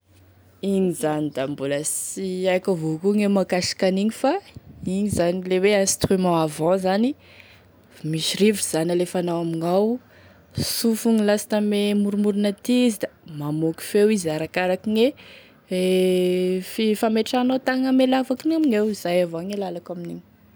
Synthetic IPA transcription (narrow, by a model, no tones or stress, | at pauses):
iŋizanid̪ambuləsiakavukuŋemakasi̥kaniɲifaiɲizanileweãst̪rimãavãzani | miʃiɾiviz̥analefanawamiŋaw | sufuŋilasḁt̪amemuɾumuɾunat̪iizid̪amamoki̥fewizaɾakaɾakiŋe | e | fifameʈ͡ʂanot̪aŋəmelavakinumiɲewiz̥ajavaŋelalakaminiɲi̥